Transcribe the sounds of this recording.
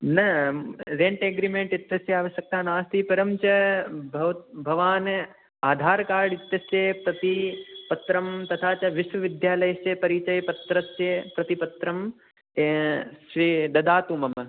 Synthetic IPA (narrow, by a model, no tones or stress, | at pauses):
nɐɾeɳʈeːɡɾimeɳʈit̪jɐsjɐaːʋɐʃjɐk̚t̪aːnaːst̪ʰipɐɾɐmt͡ʃɐbʱɐʋ̪bʱɐʋaːn | aːd̪ʱaːɾkaːɾɽit̪jɐsjɐpɾɐt̪ipɐt̪ɾɐmt̪ɐt̪ʰaːt͡ʃɐʋiʃʋɐʋid̪jaːlɐjɐsjɐpɐɾit͡ʃɐjpɐt̪ɾɐsjɐpɾɐt̪ipɐt̪ɾɐm | ʃʋid̪ɐd̪aːt̪uːmɐm